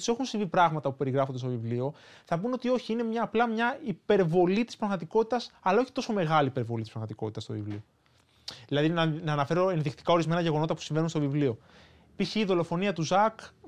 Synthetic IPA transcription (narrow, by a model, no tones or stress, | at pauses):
se̞xunsiɱvipɾɐɣmɐt̪ɐpupe̞ɾiɣɾɐfond̪est̪ovivlio̞ | θɐpunot̪io̞çiine̞mɲɐːplɐmɲɐipe̞ɾvo̞lit̪ispɾɐɣmɐt̪iko̞t̪i̥t̪ɐsɐlɐo̞çi̥t̪o̞so̞me̞ɣɐlipe̞ɾvo̞lit̪ispɾɐɣmɐt̪iko̞t̪it̪ɐst̪o̞vivlio | ðilɐðinnɐːnɐfe̞ɾoenðikt̪i̥kɐo̞ɾizme̞nɐʝeɣo̞no̞t̪ɐpu̥siɱve̞nunst̪ovivlio̞ | piçiːðo̞lo̞fo̞niɐt̪uzɐk